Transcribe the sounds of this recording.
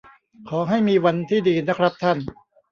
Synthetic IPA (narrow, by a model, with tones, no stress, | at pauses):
kʰɔː˩˦ɦa˥˩jmiː˧wa˧nt̪ʰiː˥˩diː˧na˦˥kʰɾa˦˥p̚t̪ʰa˥˩n